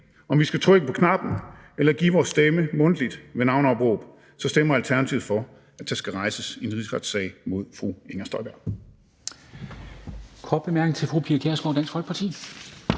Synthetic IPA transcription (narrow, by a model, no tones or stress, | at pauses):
ɒ̽mʋisɡ̥æt͡sʰʁœɡ̥əpʰɒ̽kʰnɑ̈b̥n̩ | elɐɡ̥ḭːʋɒːsːd̥eməmɔ̽nd̥lid̥ʋe̝nɑ̈ʊn̩ɒ̽b̥ʁɔ̰ːb̥ | sɒ̽sd̥emɐælt͡sʰæɐnæt͡sʰiʊð̩ˠfɒ̽ | æ̥æsɡ̥æʁɑ̈ɪsəsienʁisʁɑ̈d̥sɛ̰ɪmo̝ð̞̰ˠfʁueŋɐsd̥ɒ̽ɪb̥æɐ̥ | kʰɒːd̥̚b̥emæɐɡ̥neŋt͡sʰe̝lfʁupʰiɐkʰeɐsɡ̥oʊ̰dæn̰sɡ̥fɒlɡ̥̚pʰɑt͡sʰḭː